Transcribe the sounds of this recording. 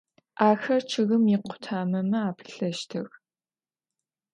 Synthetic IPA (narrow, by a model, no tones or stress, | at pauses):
ʔaːxɐrt͡ʃʰɨɣɨmjɪqʷʰʊ̥tʰaːmɐmɨaːpʰɨ̥ɬɐʃtʰɐɣ